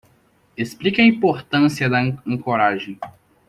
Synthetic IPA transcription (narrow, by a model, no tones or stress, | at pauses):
esplikɐĩpoɾt̪ɐ̃siɐd̪ɐɐ̃koɾaʒẽj̃